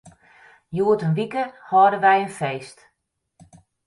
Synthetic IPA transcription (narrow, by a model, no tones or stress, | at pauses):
juətənʋikəhɔːdəʋɛjənfejst